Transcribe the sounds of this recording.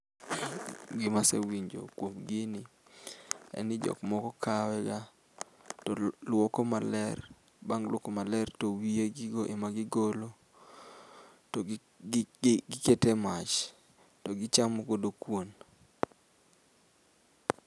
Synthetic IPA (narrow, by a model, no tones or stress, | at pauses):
ɡɪmasewiɲd͡ʒo̰kwomɡɪnɪ | ɛ̰nɪd͡ʒɔ̰kmɔkɔkʰawɛɡa | tɔlwokɔmalɛr | baŋlwɔkomalɛrtowieɡɪɡoʔemaɡɪɡolo | tɔ | ɡɪketemat͡ʃ | tɔɡɪt͡ʃamɔkodokwon